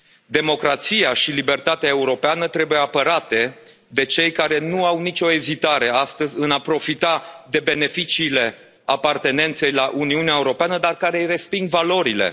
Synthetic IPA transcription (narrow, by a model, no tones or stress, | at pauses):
d̪e̞mo̞kɾat̪sijaʃilibe̞rt̪at̪eae̞uɾo̞peanət̪ɾe̞bujeapəɾat̪e̞ | d̪e̞t͡ʃe̞jkaɾe̞nuawnit͡ʃʲo̞e̞zit̪aɾe̞ast̪əzʲɨnapɾo̞fit̪ad̪e̞be̞ne̞fit͡ʃiːle̞ | apart̪e̞ne̞nt̪se̞jlaʔuniuneae̞uɾo̞peanəd̪arkaɾe̞jre̞spiŋɡvalo̞ɾile̞̰